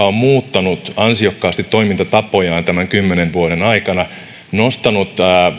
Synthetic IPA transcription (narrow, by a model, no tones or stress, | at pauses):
ommuːt̪ːɑnut̪ɑnsiokːɑːst̪it̪to̞imint̪ɑt̪ɑpojɑːnt̪æmæŋkymːeneʋʋuoɾenɑikɑnɑ | nost̪ɑnut̪ː